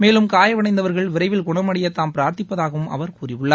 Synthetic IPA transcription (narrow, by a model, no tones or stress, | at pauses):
meːlɯmkaːjɐʋɐɳɐɪnd̪ɐʋɐɾɣɐɭʋɪɾɐɪʋɪlkʊɳɐmɐɽɪjɐt̪ːaːmpɪɾaːɾt̪ɪpːɐðaːɣɐʋɯmʔɐ̰ʋɐɾkuːrɪʋɯɭːaː